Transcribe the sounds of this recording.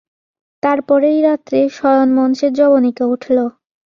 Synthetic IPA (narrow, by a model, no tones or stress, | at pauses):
t̪aɾpɔɾejɾat̪ːɾeʃɔjonmɔnʃeɾd͡ʑɔbonikeuʈʰlo